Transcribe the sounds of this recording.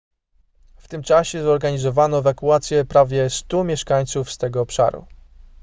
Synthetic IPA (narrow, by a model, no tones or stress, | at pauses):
ft̪ɘmt͡ʂaɕɛzɔɾɡaɲizɔvanɔɛvakuat̪sʲjɛpɾavʲjɛst̪umʲjɛʂkaɲt̪sufst̪ɛɡɔːpʂa̰ɾṵ